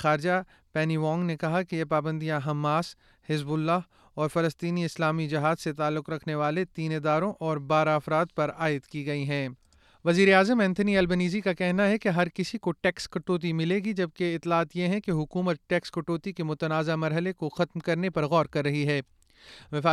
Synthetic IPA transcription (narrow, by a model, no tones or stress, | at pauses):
aːɾd͡ʒa | pɛːniʋɔ̃ːŋɡnekɐɦakejepaːbə̃nd̪ijãɦɐmːaːs | hɪzbʊlːaːɦ | ɔːɾfɐləst̪iːniɪslaːmid͡ʒɪɦaːzset̪aːlːʊqɾɐkʰneʋaːlet̪iːneːd̪aːɾõʔɔːɾbaːɾaɐfɾaːd̪̚pɐɾaːɪd̪kiɡɐiɦɛ̃ː | ʋɐziːɾeaːzəmɛ̃nt̪ʰniɐlbəniːzikakɛɦnaɦɛkeɦɐɾkɪsikoʈɛːkskɐʈoːt̪̬imɪleːɡid͡ʒɐb̚keɪt̪ːlaːt̪jeɦɛ̃keɦʊkuːmət̪̚ʈɛːkskɐʈoːt̪ikemʊt̪ənaːzamɐɾɦəlekoxɐt̪mkɐɾnepɐɾɣɔːɾkɐɾːɐɦiɦɛː | ʋɪfaː